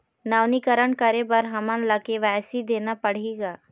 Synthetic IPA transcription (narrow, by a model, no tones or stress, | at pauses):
naːʋnikəɾəɳkəɾebɐɾɦɐmə̃nlɐkeʋɛːsid̪eːnapɐɽ̤eːɡaː